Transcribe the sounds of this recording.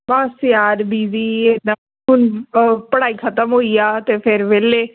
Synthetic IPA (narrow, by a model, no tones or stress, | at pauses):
baːsjaːɾbiːziːeã | ɦʊnpəɽaːiːkʰət̪əmɦoːiːaːt̪eːpʰɪɾʋeːleː